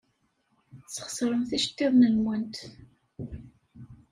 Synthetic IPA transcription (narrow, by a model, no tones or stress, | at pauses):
sə̥χə̥sɾˤəmθiʃt̪ːɪðˤnənwənt̪